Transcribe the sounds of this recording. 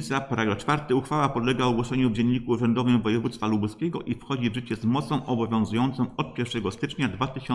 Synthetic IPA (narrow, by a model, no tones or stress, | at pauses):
sʲjapaɾaɡɾat͡ʂfaɾt̪ɘuxfawapɔd̪lɛɡaɔɡwɔʂɛɲuvd͡ʑɛɲːikuːʐɛnd̪ɔvɘmvɔjɛvut̪st̪falubuskʲɛɡɔʔifxɔd͡ʑivʐɘt͡ɕɛzmɔt̪sɔ̃w̃ʔɔbɔvʲjɔ̃w̃zujɔnt̪sɔ̃w̃ɔt̪̚pʲjɛɾfʂɛɡɔst̪ɘt͡ʂɲad̪vat̪ɘɕɔ